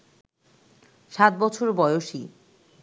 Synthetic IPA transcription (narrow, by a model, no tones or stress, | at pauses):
ʃat̪̚bɔt͡ɕʰoɾbɔeoʃi